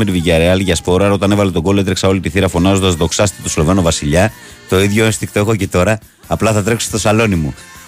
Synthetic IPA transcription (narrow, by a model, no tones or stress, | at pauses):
eɾiviʝɐɾeɐlʝɐspo̞ɾɐɾo̞t̪ɐne̞vɐlet̪oɡo̞loe̞t̪ɾeksɐo̞lit̪iθiɾɐfo̞nɐzond̪ɐzðo̞ksɐst̪et̪oslove̞novɐsiʎɐ | t̪o̞iðʝoest̪ikt̪o̞e̞xo̞ce̞t̪o̞ɾɐː | plɐθɐt̪ɾe̞kse̥t̪o̞sɐlo̞nimu